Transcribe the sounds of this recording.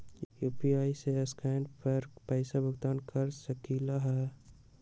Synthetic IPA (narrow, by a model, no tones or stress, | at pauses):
jjuːpiaːiseeskɛːnɖpɐɾpəɪsabəɡt̪aːnkɐɾsəkilaɦɛː